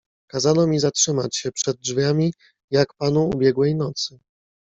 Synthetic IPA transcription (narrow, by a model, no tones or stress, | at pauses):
kazanɔmʲizatʂɘma̰t͡ɕɕɛpʂɛd̪̚d͡ʐvʲjamʲi | jakpanuubʲjɛɡwɛjnɔt̪sɘ